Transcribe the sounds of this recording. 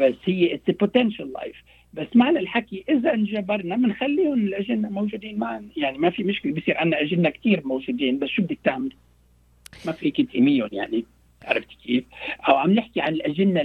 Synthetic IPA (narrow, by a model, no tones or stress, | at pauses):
basːhɪjːeʔɪsɪpʊt̪ɛnʃalːa̰jf | basːmaʕlalħakiʔɪzaʔnʒabɑɾˤnamɪnxalːiːhʊnɪlʔaʒɪnːamowʒuːd̪iːnmaʕnjaʕnimafimʊʃkɪlebijsiːɾʔanːaʔaʒɪnːakt̪iːɾmowʒuːd̪iːnbasːʃubɪd̪ik̚t̪aʕmɪl | mafikɪt̪imɪjːʊnjaʕni | ʕa̰ɾˤɑ̰ft̪i̥kiːfʔawʕamnɪħkiʕanɪlʔaʒanːa